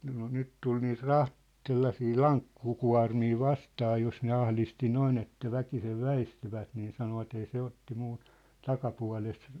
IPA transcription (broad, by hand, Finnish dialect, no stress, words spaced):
no nyt tul niːt rɑht t̆selːɑsiː lɑŋkːukuɑ̝rmiː ʋɑstɑː jos ne ɑhlisti noin etːæ ʋækiseʋ ʋæistyʋæt niː sɑnoʋɑt ei se otːi muː tɑkɑpuɑ̝lest